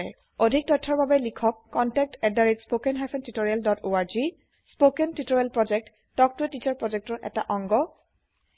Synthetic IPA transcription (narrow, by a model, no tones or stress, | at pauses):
ɛ | odʱik̚tɔjtʰːɔɹbabɛlikʰɔkːɔntɛk̚tɛdaɹitspokɛnɦapʰɛntitoɹijaldɔtoaɹzi | spokɛntitoɹijalpɹɔd͡ʒɛk̚t | tɔk̚tʊetit͡ʃaɹpɹɔd͡ʒɛk̚tɔɹʔɛ̰ta̰ʔɔŋɡɔ